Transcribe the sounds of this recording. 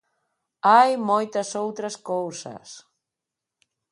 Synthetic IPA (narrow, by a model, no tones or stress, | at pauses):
ajmojt̪ɐsowt̪ɾɐskowsɐ̰s